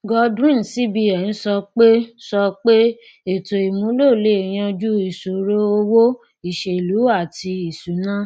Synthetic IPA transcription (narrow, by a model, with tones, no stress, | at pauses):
ɡɔ˧dɾĩ˦˨si˨˦bi˧ɛ˨nĩ˨˦sɔ˧k͡pe˦sɔ˧k͡pe˦ | e˨to˨i˨mũ˨˦lo˦˨le˦˨j̃ã˧d͡ʒu˦i˨su˨ɾo˦o˧wo˦ | i˨ʃe˨lu˨˦a˦˨ti˧i˨su˨nã˦